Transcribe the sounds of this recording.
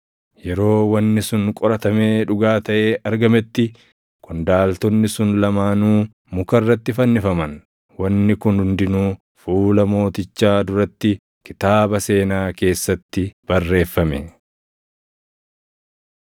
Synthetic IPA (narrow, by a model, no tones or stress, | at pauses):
jɛɾo̞ːwɐnːɪsʊnkʼɔɾɐt̪ɐme̞ːᶑʊɡaːt̪ɐʔe̞ːʔɐɾɡɐmɛt̪ːɪ | kʊnd̪aːlt̪ɔnːɪsʊnlɐmaːnuː | mʊkɐrːɐt̪ːɪfɐnːɪfɐmɐn | wɐnːɪkʊnhʊnd̪ɪnuː | fuːlɐmo̞ːt̪ɪt͡ʃːaːd̪ʊɾɐt̪ːɪ | kɪt̪aːbɐse̞ːnaːke̞ːsːɐt̪ːɪb̥ɐrːe̞ːfːɐmɛ